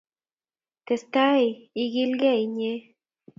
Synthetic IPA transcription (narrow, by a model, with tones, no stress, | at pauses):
t̪e˨st̪a˦ji˧ɣi˦lɡe˦i˨ɲe˦